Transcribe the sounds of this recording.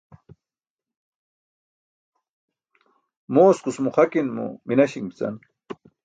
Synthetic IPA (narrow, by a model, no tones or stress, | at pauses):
moːskusmuχakinmṵminaɕiŋbi̥t͡sa̰n